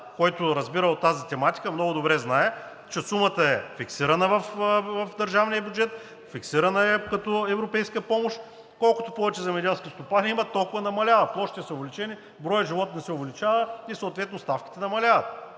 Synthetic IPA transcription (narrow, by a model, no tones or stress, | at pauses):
kɔjt̪ʊɾɐzbiɾəot̪ːazit̪ɛmat̪i̥kəmnɔɡʊd̪obɾɛznaɛ | t͡ʃɛsumət̪əɛfiksiɾɐnəvɐfvɐfd̪ɐɾʒavnijəbʲjʊd͡ʒɛt̪ | fiksiɾɐnəɛkɐt̪ɔɛvɾopɛjskəpɔmoʃ | kɔlˠkʊ̥t̪opɔvɛt͡ʃɛzɛmɛd̪ɛlˠskʲist̪opaniimət̪ːolˠkʊvənɐmɐlʲavɐplˠɔʃi̥t̪ɛsɐʊvɛlit͡ʃɛni | bɾɔjəʒivɔt̪nɛsɛʊvɛlit͡ʃavəisoːt̪vɛt̪nʊst̪afkʲi̥t̪ɛnɐmɐlʲavɐt̪̚